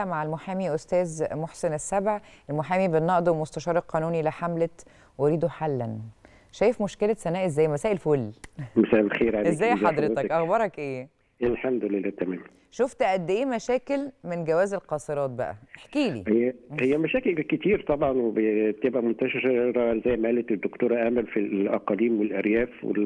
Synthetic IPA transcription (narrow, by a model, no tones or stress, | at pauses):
æmaʕelmoħaːmiʔost̪æːzmoħsenesːæbʕʔelmoħaːmibenːɑʔd̪ˤwmost̪æʃɑːɾˤelqɑːnuːnileħamlæ | weɾiːd̪oħalːæn | ʃæːjefmoʃkelæsænæːʔezːæːjmæsæːʔelfoːlːmæsæːʔelxeːɾʕalezːæːjħɑd̪ˤɾet̪ækʔɑxbɑɾˤɑkʔeː | ʔelħamd̪olelːæːt̪æmæːm | ʃoft̪ʔæd̪ːʔeːmæʃæːkelmenɡæwæːzelqɑsˤeɾˤɑːt̪̚bæ̰ʔæ̰ʔeħkiːlḭːhjːæhejːæmæʃæːkelket̪iːɾt̪ˤɑbʕɑnwebebt̪ebʔæmont̪æʃeɾˤɑezːæjːmæːled̪ːokt̪oːɾˤɑʔæmælfiʔæqɑliːmwelʔæɾjæːfwḛ